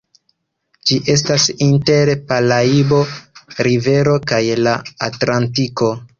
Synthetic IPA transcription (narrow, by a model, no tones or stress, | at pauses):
d͡ʒiʔe̞s̬tasinte̞ɾpalaibo̞ɾive̞ɾo̞kajlaatlantiko̞